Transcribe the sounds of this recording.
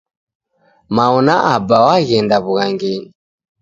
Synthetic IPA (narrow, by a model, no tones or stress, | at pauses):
maɔnaʔabawaɣɛndaβuɣaŋɡɛɲi